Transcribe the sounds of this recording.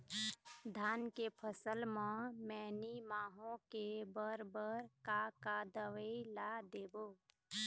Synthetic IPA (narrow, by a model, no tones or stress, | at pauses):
d̪ʱaːnkepʰəsəlmãmɛːnimaːɦõkebəɾbəɾkakad̪əʋəilad̪eːboː